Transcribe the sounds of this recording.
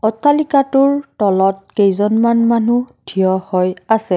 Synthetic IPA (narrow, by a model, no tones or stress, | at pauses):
ɔtalikatʊɹtɔlɔt̚kejzɔnmanmanudʰijɔhɔjasɛ